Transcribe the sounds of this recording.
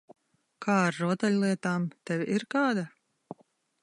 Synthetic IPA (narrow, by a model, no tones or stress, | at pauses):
kʰaːaɾːuɔt̪ɛlʲlˠiɛt̪aːmt̪ɛvʲiɾkaːd̪a